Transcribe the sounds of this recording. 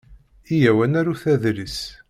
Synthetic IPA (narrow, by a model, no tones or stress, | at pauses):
ijæwænæɾuθæðɾis